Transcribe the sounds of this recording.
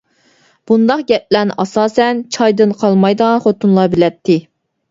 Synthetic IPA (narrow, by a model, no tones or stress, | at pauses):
b̥und̪ɑqɡʲɛp̚lænɪʔɑsɑːsɛnt͡ʃʰɑjd̪ɨnqʰɑlˠmɑjd̪əʁɑnχot̪unlˠɑbɪlɛp̚t̪ʰːɪ